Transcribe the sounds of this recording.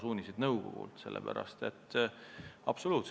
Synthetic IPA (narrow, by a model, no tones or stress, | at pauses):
suːnʲisid̪̥nɤwɡo̰ɡ̥ṵlt̪se̞lːḛpæ̰ɾɑ̰st̪e̞t̪ː | ɑb̥soluːt̪s